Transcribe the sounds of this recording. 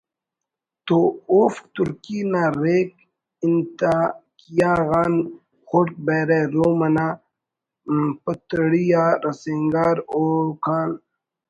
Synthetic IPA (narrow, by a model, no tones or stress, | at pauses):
t̪ooːfkt̪uɾkinaːɾeːk̚ | int̪akijaːɣaːn | xoʈk̚beːɾeɾoːmɐna | pɐt̪əɽijaːɾɐseŋɡaːɾokʰaːl